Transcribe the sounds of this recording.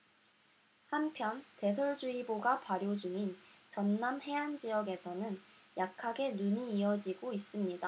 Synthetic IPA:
hampʰjʌnte̞sʰʌɭd͡ʑuiboɡapaɾjod͡ʑuŋint͡ɕʌnːamhe̞and͡ʑijʌɡe̞sʰʌnɯnjakʰaɡe̞nuɲiːʌd͡ʑiɡois͈ɯmɲida

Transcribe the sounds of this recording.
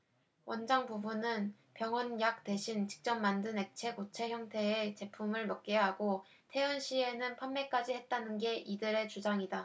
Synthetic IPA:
wʌnd͡ʑaŋpubunɯn | pjʌŋʌnjak̚t͈we̞ɕʰint͡ɕi̥k̚t͡ɕ͈ʌmːandɯne̞k̚t͡ɕʰe̞kot͡ɕʰe̞çjʌŋtʰe̞ːt͡ɕe̞pʰumɯɭmʌk̚k͈eɦaɡo | tʰe̞ɯnɕʰie̞nɯnpʰamːe̞k͈ad͡ʑihet̚t͈anɯnɡe̞ʔidɯɾe̞t͡ɕud͡ʑaŋida

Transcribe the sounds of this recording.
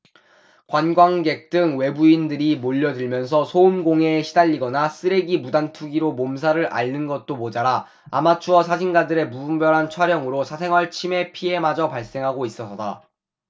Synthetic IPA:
kwanɡwaŋɡe̞k̚t͈ɯŋwe̞buindɯɾimoʎːʌdɯɭmjʌnsʰʌsʰoumɡoŋe̞ɕʰidaʎːiɡʌnas͈ɯɾe̞ɡimudantʰuɡiɾomoms̬ʰaɾɯɾʔa̰ʎnɯnɡʌt̚t͈omod͡ʑaɾa̰ː | mat͡ɕʰuwʌsʰad͡ʑʰinɡadɯɾe̞muumbjʌɾɦant͡ɕʰwaɾjʌŋɯɾosʰas̬ʰe̞ŋwaɭt͡ɕʰime̞pʰie̞mad͡ʑʌpaɭs͈e̞ŋɦaɡois͈ʌsʰʌda

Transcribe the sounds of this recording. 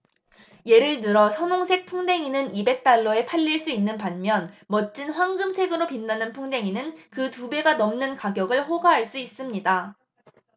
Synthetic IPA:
je̞ɾɯɭnɯɾʌsʰʌnoŋsʰe̞k̚pʰuŋde̞ŋinɯnibe̞k̚t͈aɭːʌe̞pʰaʎːiɭs͈uinːɯnpanmjʌnmʌt̚t͡ɕ͈inɸwaŋɡɯmsʰe̞ɡɯɾopinːanɯnpʰuŋde̞ŋinɯnkɯtube̞ɡanʌmnɯnkaɡjʌɡɯɭɸoɡaɦaɭs͈uis͈ɯmɲida

